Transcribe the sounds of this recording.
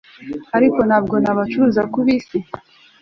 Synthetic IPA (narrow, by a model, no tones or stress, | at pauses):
aɾiko̞nhaːb̚ɡo̞naβat͡ʃuɾuzakuβisi